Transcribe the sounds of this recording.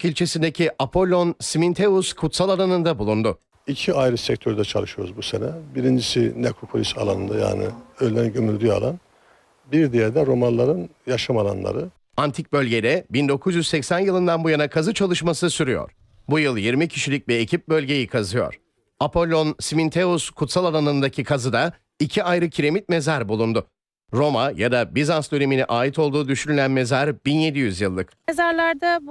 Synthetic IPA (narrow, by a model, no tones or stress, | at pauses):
kilʲt͡ʃʰesind̪e̞cʰiʔapʰo̞lʲːo̞nsimint̪ʰeuskʰut̪salˠalˠanɯnd̪abulˠund̪ʊ | icʰiajɾɯsɛc̚t̪ʰøɾd̪ɛt͡ʃʰalˠɯʃɯjo̞ɾuzbusenɛbiɾind͡ʒisinɛkʰokʰolʲisa̰lˠanɯnd̪aja̰ːnɪ̰ølʲːæɾinɟymylʲd̪ya̰lˠan | biɾd̪ijæɾd̪ɛɾo̞manlˠaɾɯnjaʃamalˠa̰nlˠa̰ɾɯ | ant̪ʰic̚bø̞lʲɟe̞d̪ɛbind̪o̞kʰuzjyzsɛcsænjɯlˠɯnd̪anbujanakʰazɯt͡ʃʰalˠɯʃmasɯsyɾyjo̰ɾ̥ | bujɯlˠjiɾmicʰiʃilʲyc̚ʲbɛecʰip̚bø̞lʲɟe̞jikʰazɯjo̞̰ɾ̥ | apʰo̞lʲːo̞nsimint̪ʰe̞uskʰut̪salˠalˠanɯnd̪acʰikʰazɯd̪a | icʰiajɾɯcʰiɾe̞mit̪̚me̞zaɾbulˠund̪ʊ | ɾo̞majad̪abizansd̪øne̞miniʔaːit̪ʰo̞lˠd̪uːd̪yʃynylʲænme̞zaɾbinje̞d̪ijyzjɯlˠːɯk | ezaɾlˠaɾd̪a